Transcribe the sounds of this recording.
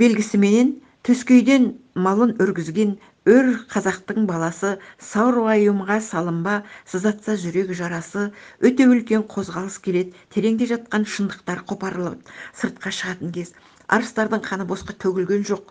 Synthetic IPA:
b̥e̞lɡʲɪsɪme̞ne̞n | t̪ʰɵskʲe̞jd̪e̞nmɑlˠənʒʏɾɡʲɪzɡʲe̞n | ɵɾqʰɑzɑq̚t̪əɴbɑlˠɑsəsɑwɾoɑjumʁɑsɑlˠəmbɑsəzɑt̪sɑʒʏɾe̞ɡʲɪʒɑɾɑsəwɵt̪e̞ʏlkʲe̞ɴqʰo̞zʁɑlˠəskʲʰe̞le̞d̪ɪt̪ʰe̞ɾe̞ŋd̪e̞ʒɑt̪̚qɑnʃənd̪əq̚t̪ɑɾqʰo̞pɑɾəlˠəp̚səɾt̪̚qɑʃəʁɑt̪əŋkʲʰe̞z̥ | ɑ̰ɾəst̪ɑɾd̪əɴqʰɑnəbo̞sqɑt̪ʰɵɡʲɪlɡʲe̞nʒo̞q̚

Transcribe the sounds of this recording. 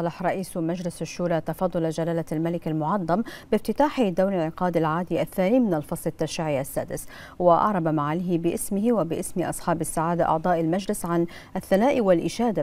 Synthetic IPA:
ɑlɑħɾˤɑʔiːsmad͡ʒlɪsaʃːuːɾˤɑt̪ɑfɑːd̪ˤɑlad͡ʒalaːlalmalɪkalmʊʕɑd̪ˤːɑmbɪft̪ɪt̪aːħid̪awɾɪlʕɪqɑːd̪alʕaːd̪iʔaθːaːniːmɪnalfɑsˤlɪt̪ːaʃiʕiʔasːa̰ːd̪ɪs | waʔɑ̰ʕɾˤɑbamaʕalːɦɪbɪʔɪsmɪhwabɪʔɪsmʔɑ̰sˤħɑːbasːaʕaːd̪aʔɑ̰ʕd̪ˤɑːʔalmad͡ʒlɪsʕan | ʔaθːanaːʔwalʔɪʃaːd̪a

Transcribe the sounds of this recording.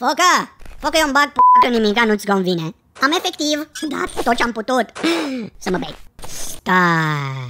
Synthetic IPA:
fokəfokəjombaɡ̚pokənimikanut̪sʲɡonvine | amefek̚t̪ivd̪a̰t̪t̪ot͡ʃamput̪ut̪səməbḛɡ̚st̪a

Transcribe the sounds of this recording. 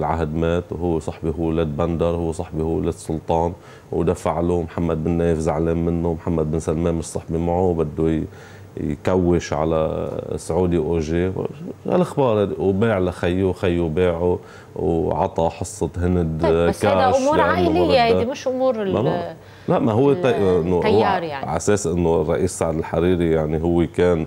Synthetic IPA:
lʕaɦd̪meːt̪wɦʊwːsˤɑħbiɦʊwːleːd̪̚band̪ɑɾˤhʊwːesˤɑħbihuːleːd̪sˤʊlt̪ˤɑːn | wd̪afaʕlumħamːad̪̚bɪnːeːjɪfzaʕleːmmɪnːʊmħamːad̪̚bɪnsalmeːnmɪʃsˤɑħbimaʕubɪd̪ːu | jkawːɪʃʕa̰la̰sʕuːd̪iʔoʒeːwha̰lʔaxbɑːɾˤwbeːʕlaxajːuxajːubeːʕu | wʕɑt̪ˤɑħɑsˤːɨt̪hɪnd̪kaɾmuːɾjaʕnljːahaimɪʃʔʊmuːɾaa | laʔmaɦʊwːet̪ɑʔɪnːoɾʕa̰seːsʔɪnːorˤːɑʔiːsːaʕd̪ɪlħaɾiːɾijaʕniɦʊwːekeːn

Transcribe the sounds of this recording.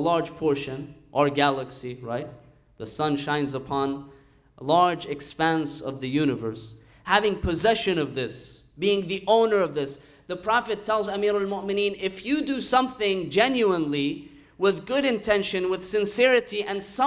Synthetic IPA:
lɑɹd̥ʒ̥pʰɔɹʃɨ̃nʔə˞ɡælˠəksiɹaɪt̪̚ | ðəsʌ̃nʃãɪ̃nzəpʰɑ̃n | lɑɹd͡ʒɨkspæ̃nsʌ̰vðɨjʉnɨvə˞s | hævɪ̃ŋpʰɨzɛʃɨ̃nʌvðɪsb̥iɪ̃ŋðiʔõʊ̃nə˞ʌvðɪs | ðɨpʰɹ̥ɑfɨtʰɛlˠzəmiɾəlmʊmɨnĩnɪfjɨdɨsʌ̃mθɪ̃ŋd͡ʒɛ̃njʉə̃nli | wɪðɡʊɾɨ̃ntʰɛ̃nʃɨ̃nwɨð̥sɨ̃nsɛɹɨɾiʔɨ̃nsʌ̃

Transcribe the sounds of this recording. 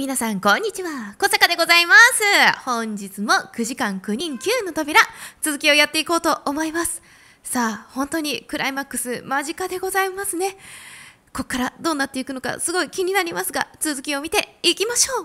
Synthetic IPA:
mʲinasãŋkõ̞ɲ̟ːit͡ɕiβako̞sakad̪e̞ɡo̞zaimasɨhõ̞ɲ̟d͡ʑit͡sɨmo̞kɯ̟ʑikãŋkɯ̟ɲ̟ĩŋkʲɨːnːo̞t̪obʲiɾat͡sɨzɨkʲio̞jat̪ːe̞iko̞ːt̪o̞ʔːmo̞imasɨ̥ | saːhõ̞nt̪o̞ɲ̟ikɯ̟ɾʔaimakːɯ̟̥sɨmaʑikad̪e̞ɡo̞zaimasɨne̞ | ko̞kːaɾad̪o̞ːnːat̪ːe̞ikɯ̟no̞ka̰sɨɡo̞ikʲiɲ̟inaɾʲimasɨɡa̰t͡sɨzɨkʲio̞mʲit̪e̞ikʲimaɕo̞ː

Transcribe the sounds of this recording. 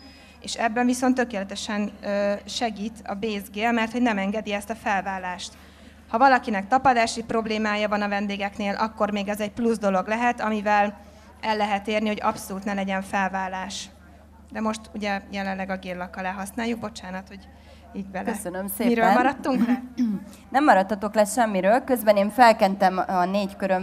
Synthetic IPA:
eːʃɛbːɛɱviso̞nt̪ːøkeːlɛt̪ɛʃɛnːʃɛɡiːt̪ɒ̰beːzɡeːlmɛrt̪ho̞ɟnɛmɛŋɡɛd̪iɛst̪ɒfɛlvaːlaːʃt̪ | hɒvɒlɒkinɛk̚t̪ɒpɒd̪aːʃipro̞bleːmaːjɒvɒnɒvɛnd̪eːɡɛkneːlʔɒkːo̞rmeːɡɛzɛcpluzd̪o̞lo̞ɡlɛɦɛt̪ɒmivɛl | ɛlːɛɦɛt̪eːrniho̞ɟɒ̰psoluːt̪nɛlɛɟɛɱfɛlvaːlːaːʃ | d̪ɛmo̞ʃt̪uɟɛjɛlɛlːɛɡɒɡeːllɒkːɒlɛːɦɒsnaːjːuɡ̚bo̞t͡ʃaːnɒt̪ho̞ɟ | iːɟ̚bɛlkɛsønømsemiɾøːlmɒɾɒt̪ːuŋk | nɛmːɒɾɒt̪ːɒt̪o̞klɛʃɛmːiɾøːlkøzbɛneːɱfɛlkɛnt̪ɛmɒneːckøɾøm

